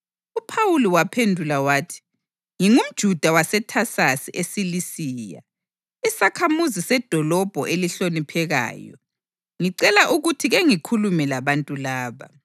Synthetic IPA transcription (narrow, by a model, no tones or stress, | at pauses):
upʰawuliwapʰendʱulawaːtʰi̥ | ŋiŋum̩d̥ʒ̥ʱud̥ʱawasɛtʰasasiʔesilisiːja̰ | isakʰamuzisɛd̥ʱɔlɔb̥ʱɔʔeliɬonipʰɛɣa̰ːjɔ̰ | ŋiǀɛlaʔuɣutʰiɣeŋikʰulumɛlaβantʼulaːβa̰